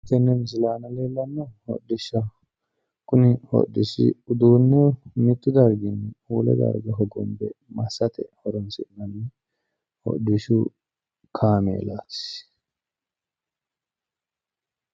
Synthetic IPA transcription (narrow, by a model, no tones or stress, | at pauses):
t̪ːɛnːɛms̬ɪlaːnɐleːlːɐnːɔhɔ̰dɪʃːɐ | kʼʊnɪhɔ̰dːɪsɪ̰ʊd̪uːnːɛmɪt̪ʼːɪd̪ɐɾɡɪnːɛuːlɛ̰d̪ɐ̰ɾɡɐɦɔɡɔmbɛ̰mɐsːɐt̪ɛhɔɾɔnsɪnːɐnɛ | hɔ̰dɪʃʊ | kʰaːmḛːlaːtɪ̥s